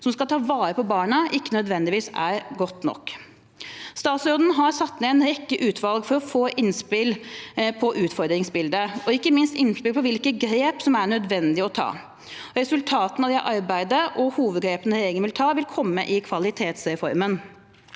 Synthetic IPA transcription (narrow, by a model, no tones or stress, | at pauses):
sɔmskɑlt̪ʰɑːʋɑːɾəpɔbɑːɳəʔɪkːənœd̪ʋɛnd̪ɪʋiːsæɾɡɔt̪nɔ̰kː | st̪ɑːt̪sɔd̪n̩ɦɑɾsɑt̪ːnɛɛnɾɛkːəʔʉːt̪ʰʋɑlɡfɔɾɔfoːʔɪnspɪlpʰɔʔʉːt̪fɔɾd̪ɾɪŋsbɪld̪əɔɪkːəmɪnst̪ɪnspɪlpʰɔʋɪlkəɡɾeːpsɔmæɳœd̪ʋɛnd̪ɪɔt̪ʰɑ̰ː | ɾɛsʉlt̪ʰɑːt̪ənɑʋd̪ɛʔɑɾbæɪd̪əʔɔhuːʋəd̪̚ɡɾeːpənəɾeːɪŋnʋɪlt̪ʰɑːʋɪlkʰɔmːəʔɪkʰʋɑlɪt̪ʰeːt̪sɾɛfɔɾmən